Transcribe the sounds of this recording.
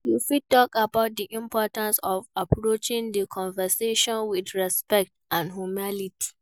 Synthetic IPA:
jufid̚tɔkabaʊt̚diʔĩmpɔtãnsɔvapʰɹot͡ʃɪ̃ŋdəkʰɔ̃nvɛseʃɔ̃nwidɹɛspɛk̚tãnɦumaliti̥

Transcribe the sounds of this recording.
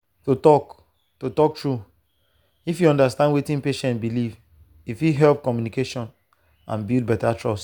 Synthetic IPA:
totɔk | totɔk̚tɹu | ifjuɔ̃ndastãnwetĩnpeʃɛ̃ntbiliv | ifjiɦɛlp̚kɔmjunikeʃɔ̃n | ã̰nbild̚bɛtatɹɔs

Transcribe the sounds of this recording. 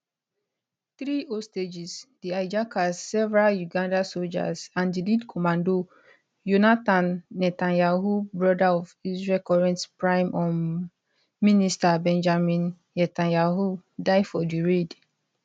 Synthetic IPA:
θɹiosted͡ʒisd̥iajd͡ʒakʰasːɛvɛɹaljuɡãndasold͡ʒa̰sãndilidkʰɔmãndo | junatãnːɛtãnjaɦubɹɔdaɔvisɹɛlkɔɹɛ̃ntpɹãɪ̃mʔɔm | ministabɛ̃nd͡ʒamĩnː | ɛtãnjaɦudaɪdfɔdiɹed

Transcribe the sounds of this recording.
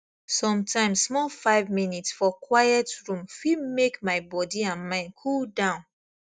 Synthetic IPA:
sɔ̃mtʰãɪ̃mssmɔlfaɪvminitsfɔkʰwajɛtɹũmfimekmaɪbɔdiãnmãɪ̃nkʰuldãʊ̃n

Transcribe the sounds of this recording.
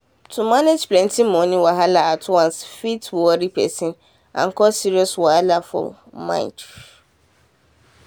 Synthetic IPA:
tʰumaned͡ʒplɛ̃ntʰĩmɔ̃nĩwaɦalaatʰwãnsfitʰwɔɾipʰɛ̰sĩn | ã̰ŋ̩kʰɔsiɾiɔswaalafɔ̰l | mã̰ɪ̰̃nt

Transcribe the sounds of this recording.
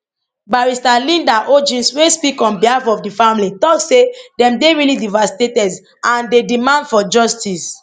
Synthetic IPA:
baɹistalĩndaʔod͡ʒĩnswespikɔ̃nbihafɔfdifãmlitɔksedɛ̃mdeɹilidivasi̥tetɛd | ãndedimãndfɔd͡ʒɔstis

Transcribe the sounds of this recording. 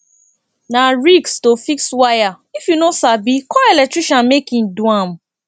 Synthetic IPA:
naɹikstofikswaja | ifjunosabikɔelɛk̚tɹiʃɔ̃nmekĩn̩duam̩

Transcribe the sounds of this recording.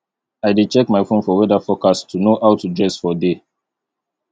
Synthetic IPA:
aɪdit͡ʃɛkmaɪfõnfɔwɛdafɔkastʰunoʔawtʰudɹɛsfɔde

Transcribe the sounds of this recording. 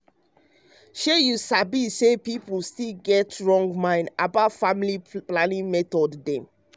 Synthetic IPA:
ʃejusabisepipustilɡɛtɹɔ̃ŋɡmãɪ̃ndabatfamiliplanĩŋmɛtɔddɛ̃m

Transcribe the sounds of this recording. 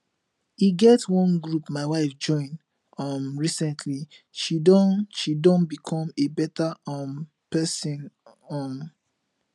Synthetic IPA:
iɡɛtwɔ̃nɡɹupmaɪwaɪfd͡ʒɔ̃ɪ̃n | ɔmɹisɛ̃ntʰli | ʃidɔ̃nʃidɔ̃nbikʰɔ̃mebɛtaɔm | pɛsĩnɔm

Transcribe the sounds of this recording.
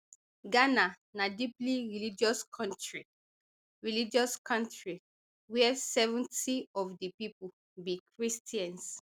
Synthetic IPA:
ɡana | nadipliɹilid͡ʒɔskʰɔ̃ntɹi | ɹilid͡ʒɔskʰɔ̃ntɹi | wɛɛsɛvɔ̃ntiɔfdəpipu | bikɹistiãns

